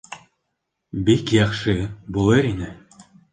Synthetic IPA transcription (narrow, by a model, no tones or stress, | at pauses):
bekʲjɑχʃɨbulˠɤɾinɘ